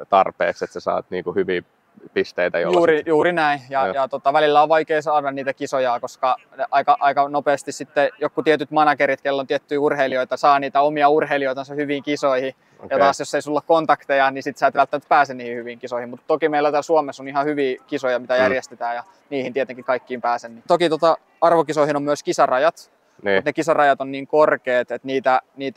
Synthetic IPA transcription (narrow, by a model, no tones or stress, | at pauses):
t̪ɑrpḛːkset̪sesɑ̰ːt̪niːŋkuhyʋiː | pist̪eit̪æ̰jo̰ljːrijuːrinæĩjɑjɑt̪ot̪ɑʋælilːæoʋʋɑikeisɑːdɑnniːt̪ækisojɑːkoskɑ | eʔɑikɑʔɑikɑnopeːst̪issit̪ːejokːut̪iet̪yt̪mɑnɑkeɾit̪kelːont̪iet̪ːyiurhelioit̪ɑsɑːniːt̪æomiɑurheilioit̪ɑnsɑhyʋiːŋkisoihi | jɑtt̪ɑːsjosːeisulːɑkkont̪ɑkt̪ejɑnisit̪sæːt̪ʋælt̪ːæmæt̪̚pæːsenniːhihyʋiŋkisoihimut̪t̪okimeilːˑæt̪æsuomesonihɑhyʋiːkisojɑmit̪æjærjest̪et̪æːjɑ | niːhint̪iet̪eŋkikɑikːiːmpæːsennit̪okit̪ot̪ɑ | ɑrʋokisoihinomyøskisɑrɑjɑt̪ | nmut̪nekisɑrɑjɑt̪onniːŋkorkeːt̪et̪niːt̪æniːt̪